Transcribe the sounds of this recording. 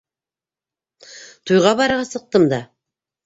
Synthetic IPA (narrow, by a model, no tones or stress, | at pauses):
t̪ʰujʁɑbɑɾʁɑsəq̚t̪əmd̪ɑ